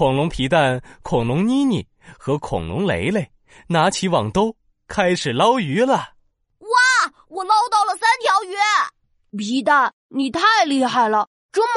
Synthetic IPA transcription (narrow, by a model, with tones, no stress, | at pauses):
kʊ˨˩ŋlʊ˧˥ŋpʰi˧˥t̪a˥˩nkʰʊ˨˩ŋlʊ˧˥ŋni˥nḭ˨˩ | xɤ˧˥kʰʊ̰˨˩ŋlʊ̰˧˥ŋlḛ˧˥ɪle˥˧˩ɪ | na˧˥t͡ɕʰi˧˥wɑ˨˩ŋt̪o˥ʊ | kʰa˥ɪʂɻ̩˨˩lɑ˥ʊy˧˥lə˨ | wa˥˩ | wɔ˨˩lɑ˥ʊt̪ɑ˥˩ʊlə˩sa˥nt̪ʰjɑ˧˥ʊɥɛ˥ | pʰi˧˥t̪a˥˩ | ni˨˩t̪ʰa˥˧ɪli˥˧xa˥˩ɪlə˩ | ʈ͡ʂʊ˥ŋ